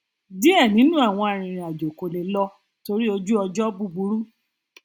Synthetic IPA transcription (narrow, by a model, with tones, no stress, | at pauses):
di˦ɛ˦˨nĩ˨˦nũ˦a˦˨w̃ɔ̃˧a˨ɾ̃ĩ˨ɾ̃ĩ˨a˨d͡ʒo˨ko˨le˨˦lɔ˦ | to˧ɾi˦o˧d͡ʒu˦ɔ˧d͡ʒɔ˦bu˧bu˧˦ɾu˦